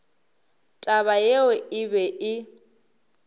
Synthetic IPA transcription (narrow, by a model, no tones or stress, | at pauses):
tʼaβajeʊɪβɛʔɪ